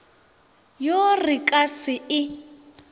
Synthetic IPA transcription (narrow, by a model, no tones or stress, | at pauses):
jorɪkʼasɪɪ